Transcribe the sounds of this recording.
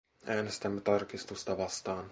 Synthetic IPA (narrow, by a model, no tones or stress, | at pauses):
ɛnst̪ɛmt̪aɾkist̪ust̪avast̪aːn